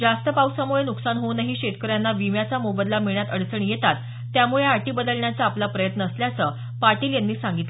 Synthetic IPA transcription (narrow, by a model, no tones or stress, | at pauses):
d͡zast̪əpawsamuɭenuksanɦonaɦiːɕeʈkəɾjanːaʋimjat͡samobəd̪lamiɭ̃jat̪əɽt͡səɳijet̪at̪ː | jamuɭeaʈiːbəd̪əlɳjat͡səaplapɾəjət̪nəːsljat͡sə | paɾʈiːljanːiːsaŋɡit̪